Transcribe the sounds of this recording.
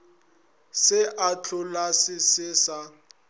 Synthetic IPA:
sɪʔat͡ɬʰʊlasɪsɪsa

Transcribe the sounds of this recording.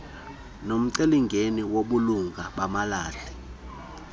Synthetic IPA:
nom̩ǀeliŋɡʱeniwoɓuluŋɡʱaɓamalaːɬɛ

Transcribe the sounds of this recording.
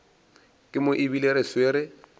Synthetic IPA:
kʼɪmʊʔɪbileɾesweɾɪ

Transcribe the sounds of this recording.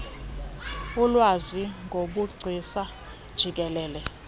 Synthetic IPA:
ulwaziŋɡʱoɓuɡ͡ǀʱisa | d̥ʒ̥ʱik̬ɛlɛːlɛ

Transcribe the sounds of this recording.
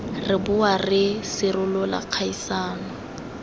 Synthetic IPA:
rɪbʊarɪsɪrʊlɔla̰q͡χʰaisaːnɔ

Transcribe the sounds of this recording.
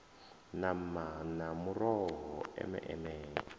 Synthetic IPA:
namanamurɔɦɔɛ̰mɛ̰ʔɛmɛː

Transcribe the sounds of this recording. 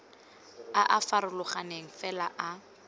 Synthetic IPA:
aʔafaɾʊlʊχaneŋ̩fɛlaʔa

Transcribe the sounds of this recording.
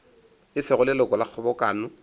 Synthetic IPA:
ɪsɪɣʊlɪlɔkɔlak͡xʰɔbɔkʼaːnʊ

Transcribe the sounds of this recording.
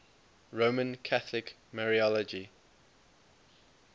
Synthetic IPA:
ɹomə̃nkʰaθlɪk | mɛɹiɔlɔd͡ʒi

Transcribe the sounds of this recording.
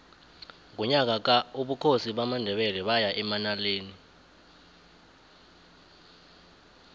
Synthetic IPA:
ŋk̬uɲak̬ak̬auɓukʰosiɓamandʱɛɓɛlɛɓajaʔɛmanaleːni

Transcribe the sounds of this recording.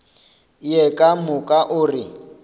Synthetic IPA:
jɛkʼamʊkʼaʔʊːrɪ

